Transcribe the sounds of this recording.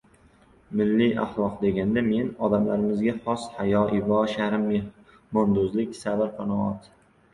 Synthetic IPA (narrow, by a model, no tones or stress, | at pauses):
mɪlːɪʔa̰χlˠɒqd̪e̞ɡʲand̪ame̞nɒd̪amlaɾɪmɪzɡʲaχɒshajɒʔɪvɒʃaɾɪmːɪ | mɒnd̪ʊzlɪkʲsavaɾqʰɑnɒɒt̪